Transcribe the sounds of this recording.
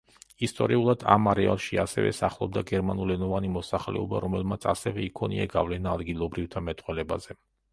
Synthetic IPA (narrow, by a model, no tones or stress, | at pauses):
ist̪ʼɔɾiulˠad̪̥a̰maɾɛalˠʃiasɛ̰vɛ̰saχlˠɔb̚d̪aɡɛɾmanulɛnɔvanimɔsaχlɛ̰ɔba̰ɾɔmɛlˠmat̪sʰasɛvɛikʰɔnḭaɡavlɛnaːd̪ɡilˠɔbɾift̪ʰamɛt̪ʼqʼwɛlɛbazɛ